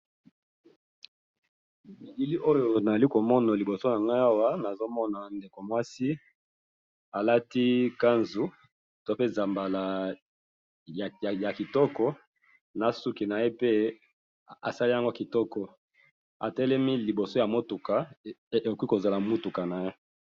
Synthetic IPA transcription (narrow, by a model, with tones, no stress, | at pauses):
mi˨ɡi˦li˦ʔo˦jo˨na˨za˨li˦ko˨mɔ˦na˨li˨bo˨so˦na˨ŋɡa˦a˦wa˦na˨zo˦mɔ˦na˨nde˨ko˨mwa˦si˦ | a˨la˦ti˦ka˦nzu˨ | to˦pe˦za˨mba˨la˨ | ja˨ki˨tɔ˦kɔ˦ | na˨su˦ki˨na˨je˦pe˦ | a̰˨sa˦li˦ja˦ŋɡo˦ki˨tɔ˦kɔ˨ | a˨tɛ˦lɛ˦mi˦li˨bo˨so˦ja˨mo˦tu˨ka˨e˨o˨kwi˦ko˨za˨la˨mu˦tu˨ka˨na˨je˦